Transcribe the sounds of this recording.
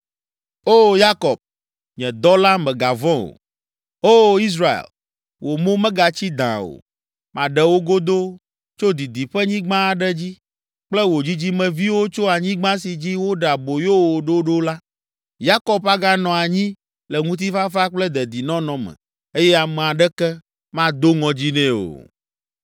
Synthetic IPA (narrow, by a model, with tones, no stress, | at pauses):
o˦ja˦kɔ˨b̚ | ɲɛ̃˨d̪ɔ˦la˦mɛ̃˨ɡa˨vɔ̃˦o̰˨ | o˦i˦s̬ɾa˨ḛ˨l | wo˨mõ˦mɛ̃˦ɡa˨t͡ɕi˦d̪ã̰˨o̰˨ | mã˨ɖɛ˨wo˦ɡo˦d̪o˦ | t͡ʃo˦d̪i˨d̪i˨ɸɛ˦ɲĩ˦ɡ͡bã˦a˨ɖɛ˦d͡ʑi˦ | k͡plɛ˦wo˨d͡ʑi˦d͡ʑi˦mɛ̃˨vi˦wo˦t͡ʃo˦a˨ɲĩ˦ɡ͡bã˦s̬i˨d͡ʑi˦wo˦ɖɛ˨a˨bo˨jo˦wo˨ɖo˦ɖo˦la˦ | ja˦kɔ˨ba˦ɡa˦nɔ̃˨a˨ɲĩ˦ | lɛ˨ŋũ˦t̪̬i˦fa˦fa˦k͡plɛ˦d̪ɛ˨d̪i˨nɔ̃˦nɔ̃˨mɛ̰̃˨ | e˦jɛ˦a˨mɛ˨a˨ɖɛ˦kɛ˦ | mã˦d̪o˦ŋɔ̃˨d͡ʑi˦nɛ̃˦o̰˨